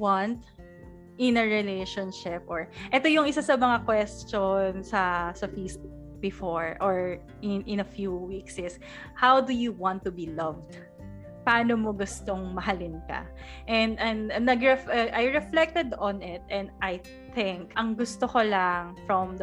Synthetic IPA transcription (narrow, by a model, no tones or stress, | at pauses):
want̪ | ʔɪnɐɹɛleʃɔnʃɪp̚ʔɔɹʔɛt̪ojʊŋɪsasɐmɐŋakwɛst͡ʃonsɐsɐfesbk | bɪfɔɹʔɔɹ | ɪnʔɪ̃nɐfjuwiksɪs | hawd̪ujuwãnt̪ːʊbilɐvd̪ | paːnomoɡʊst̪oŋmɐɦɐlɪnkɐ̰ʔɛnd̪ɛnd̪nɐɡɹɛfʔajɹɛflɛk̚t̪ɛd̪ɔ̃nɪt̪̚ʔɛ̃nd̪ʔaj | θɪ̃ŋkʔɐŋɡʊst̪okolaŋfɹɔmd̪